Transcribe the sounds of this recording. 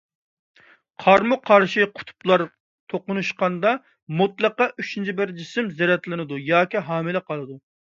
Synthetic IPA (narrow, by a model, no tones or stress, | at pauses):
qʰɑɾmuqʰɑɾʃiqʰʊ̥t̪ʰu̥plˠɑɾ | t̪ʰoqʊnuʃqɑnd̪ɑ | mut̪lˠəqɑʔyt͡ʃʰint͡ʃʰibɪɾd͡ʒisɪmzɛɾɛt̪lɪnɨd̪ujɑːkʲiɦɑːmɪlɪqʰɑlˠɨd̪u